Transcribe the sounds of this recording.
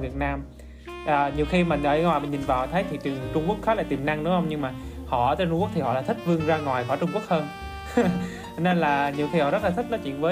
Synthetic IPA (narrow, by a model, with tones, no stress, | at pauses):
vi˨˩ət̚naː˧m | ʔəː˨˩ɲi˨˩əwxi˧maː˨˩ʔəː˧˩˧ŋwaː˨˩mï˨˩ɲi˨˩nvaː˨˩wt̪ʰə˨˦jt̪ʰi˨˩t͡ɕɨ˨˩əŋt͡ɕʊ˧ŋ͡mkək̚xɔː˨˦laː˨˩jt̪i˨˩mna˧ŋɗʊ˨˦hə˧wŋ͡mɲɨ˧ŋmaː˨˩ | hɔ̰˧˨ə˨˦t̪əː˧t͡ɕʊ˧ŋ͡mkk̚t̪ʰi˨˩hɔ̰˧˨laː˨˩t̪ʰï˦˥k̟̚vɨ˧əŋzaː˧ŋwaː˨˩jkɔː˧˩t͡ɕʊ˧ŋ͡mku˦˥ək̚həː˧n | t͡ɕɔ˧ne˧nlaː˨˩ɲi˨˩əwxi˧hɔ̰˧˨zə˦˥t̚laː˨˩ï˦˥k̚nɔ˨˦t͡ɕwḭ˧˨ənvəː˨˦